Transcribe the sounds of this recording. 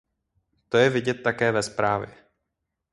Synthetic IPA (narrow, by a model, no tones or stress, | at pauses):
t̪ojɛvɪɟɛt̪ːakɛːvɛspɾaːvjɛ̰